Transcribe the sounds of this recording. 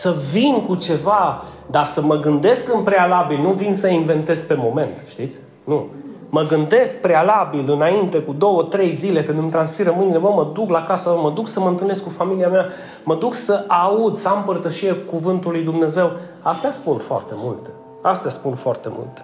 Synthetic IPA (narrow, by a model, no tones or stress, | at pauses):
səvinkut͡ʃe̞va | d̪asəməɡɨnd̪e̞skɨnpɾe̞alabilnuvinsəinve̞nt̪e̞zkpe̞mo̞me̞nt̪ʃt̪it̪sʲ | nu | məɡɨnd̪e̞sk̚pɾealabilɨnaint̪e̞kud̪o̞wət̪ɾe̞jzile̞kɨnd̪ɨmt̪ɾansfiɾəmɨnilevəməd̪uklakasəməd̪uksəməɨnt̪ɨlneskːufamiliamea | məd̪uksəʔaud̪səampərt̪əʃiekuvɨnt̪ulujd̪umne̞ze̞w | ast̪easpunfoa̰rt̪e̞mult̪e | ast̪easpunfoart̪e̞̰mṵlt̪e